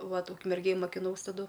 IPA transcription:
ˈʋɐt ʊkmʲɛrʲˈɡʲeːj mɐkʲɪˈnɐʊs tɐˈdʊ

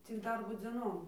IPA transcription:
t͡sʲɪk ˈdɐrboː d͡zʲeːˈnoːm

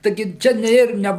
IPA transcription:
tɐɪˈɡʲɪ ˈt͡ʃʲɛ nʲɛ ˈɪr ˈnʲɛ

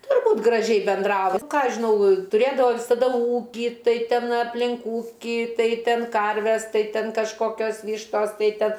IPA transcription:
tʊrˈbuːt ɡrɐˈʒʲɛɪ bʲɛnˈdrɑːʋɐ ˈkɑː ˈɐʃ ʒʲɪˈnɐʊ tʊˈrʲeːdɐʋoː ʋʲɪsɐˈdɐ ˈuːkʲiː ˈtɐɪ ˈtʲɛn ɐpʲˈlʲɪn ˈuːkʲɪ ˈtɐɪ ˈtʲɛn ˈkɐrʲʋʲɛs ˈtɐɪ ˈtʲɛn kɐʃˈkoːkʲoːs ˈʋʲiːʃtoːs ˈtɐɪ ˈtʲɛn

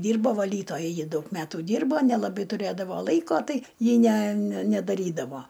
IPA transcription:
ˈdʲiːrboː ʋɐˈlʲiːtoːjɛ ˈjɪ ˈdɐʊk ˈmʲæːtʊ ˈdʲiːrboː nʲɛlˠɐˈbɐɪ tʊˈrʲeːdɐʋoː ˈlˠɐɪkoː ˈtɐɪ ˈjɪ nʲɛ nʲɛ nʲɛdɐˈrʲiːdɐʋoː

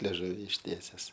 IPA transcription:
lʲɛˈʒʊʋʲɪ ɪʃʲˈtʲiɛsʲɛs

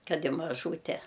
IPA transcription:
ˈkɐt ɪ mɐˈʒuːtʲɛ

